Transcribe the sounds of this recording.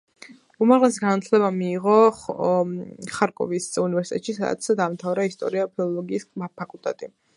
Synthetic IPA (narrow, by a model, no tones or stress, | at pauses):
umaʁlɛsi̥ɡanat̪ʰlɛβamiːʁɔ | χaɾkʼɔ̰visunivɛɾsit̪ʼɛt̪ʃisad̪a̰t̪sd̪aːmt̪ʰavɾaist̪ʼɔ̰ɾiapʰilˠɔlɔɡiːspʰakʼulˠt̪ʼɛt̪ʼi